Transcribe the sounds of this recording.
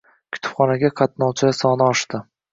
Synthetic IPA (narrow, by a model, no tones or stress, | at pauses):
kʲʰʊ̥t̪ʰʊ̥pχɒnaɡʲaqʰɑt̪nɒwt͡ʃʰasɒnɪɒʃt̪ɪ